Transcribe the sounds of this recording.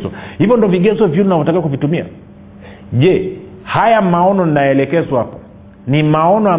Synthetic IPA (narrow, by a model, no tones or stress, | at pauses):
zɔhivjɔndɔviɡɛzɔvjuninavɔtakiwakuvitumia̰ | ʄɛ | hajamaɔnɔninajɛlɛkɛzwahapa | nimaɔnɔa